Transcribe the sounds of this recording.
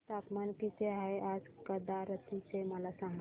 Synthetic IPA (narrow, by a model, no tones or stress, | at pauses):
sak̪mankit̪ʰeaɦeʔad͡zkəd̪aɾət̪iseməlasãŋɡ